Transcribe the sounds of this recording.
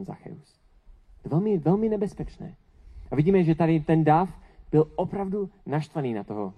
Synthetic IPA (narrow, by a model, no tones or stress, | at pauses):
nza̰xɛ̰us | vɛlmɪvɛlmɪnɛbɛspɛt͡ʃnɛ̰ː | ʔavɪɟiːmɛʒɛt̪adɪt̪ɛndafb̥ɪlʔopɾavdunaʃt̪vaniːnat̪oɦo̰